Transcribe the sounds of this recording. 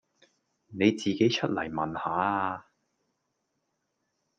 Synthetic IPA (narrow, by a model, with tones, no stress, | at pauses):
ne˨˧jt͡siː˨ke˨˥jt͡ʃʰɵ˥t̚lɐ˨˩jmɐ˨nhaː˨˥˧